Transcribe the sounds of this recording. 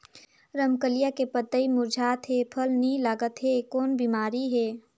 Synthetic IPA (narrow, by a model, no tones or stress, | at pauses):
ɾəmkəlijakepət̪ːəimʊɾd͡ʒʱaːt̪ɦepʰəlnilaːɡət̪ɦekɔːnbiːmaːɾiɦeː